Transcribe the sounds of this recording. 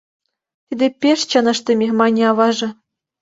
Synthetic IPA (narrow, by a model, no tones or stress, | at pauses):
t̪ʲed̪ʲepʲeʂt͡ɕɑnɤ̆ʂt̪ʲɘ̆mʲemɑnʲiɑʋɑʐɤ̆